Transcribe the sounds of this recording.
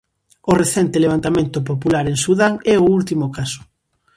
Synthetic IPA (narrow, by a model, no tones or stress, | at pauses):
ʊreθɛnt̪ɪleβ̞ant̪amẽnt̪ʊp̬opulaɾeŋsuðaŋɛʊult̪imokasʊ̥